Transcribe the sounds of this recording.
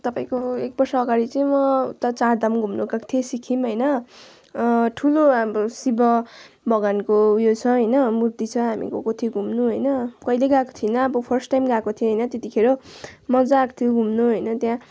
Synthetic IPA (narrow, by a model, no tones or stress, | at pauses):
t̪ʌpaĩkoek̚bʌrsaːɡaɾit͡sʌĩmʌt̪ʌt͡sard̪amɡʱumnuɡãkt̪ʰiesikʰimɦʌjnʌ | ʈʰulobsibʌ | bʱʌɡankojot͡sʰʌ̃ɦʌjnʌmurt̪it͡sʰʌɦamḭko̰kot̪ʰiɡʱumnuɦʌjnʌkʌjleɡãkot̪ʰinʌːbʌpʰʌrsʈajmɡãkot̪ʰiẽɦʌjnʌt̪et̪ikʰeɾomʌd͡zakt̪ʰioɡʱumnuɦʌjnʌt̪jã